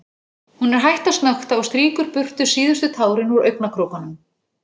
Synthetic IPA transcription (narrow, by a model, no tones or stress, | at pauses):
hunɛɾ̥ɦajht̪ast̪naxt̪aɔst̪ɾiːkʏɾpʏr̥t̪ʏ̥siːðʏst̪ʏt̪ʰaːwɾɪnuɾœ̰ɥknakʰɾowkanʏm